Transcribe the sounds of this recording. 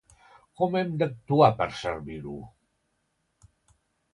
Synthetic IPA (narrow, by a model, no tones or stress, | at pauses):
kɔmɛmd̪ək̚t̪uapəɾsəɾβiɾṵ